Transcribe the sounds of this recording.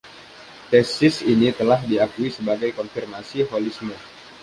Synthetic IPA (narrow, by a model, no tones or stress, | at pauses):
t̪ɛsɪsinit̪əlaɦdiakuisəbaɡajkɔnfirmasiɦolismə